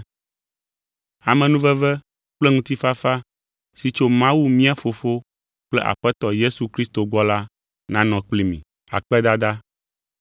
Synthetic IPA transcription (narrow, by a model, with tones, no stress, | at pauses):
a˨mɛ̃˨nũ˦vɛ˦vɛ˦ | k͡plɛ˦ŋũ˦t̪i˦fa˦fa˦ | si˨t͡ʃo˦mã˦wu˦mĩ˦a˨fo˨fo˦ | k͡plɛ̰˦ʔa̰˨ɸɛ˦t̪ɔ˨je˦su˨kɾi˦st̪o˨ɡ͡bɔ˦la˦ | nã˦nɔ̃˨k͡pli˦mḭ̃˨ | a̰˨k͡pɛ˦d̪a˦d̪a˦